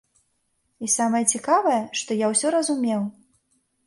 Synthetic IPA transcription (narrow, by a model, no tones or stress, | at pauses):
isamɐjɐt͡sʲikavɐjɐʂt̪ɔjawsʲɔɾɐzumʲɛw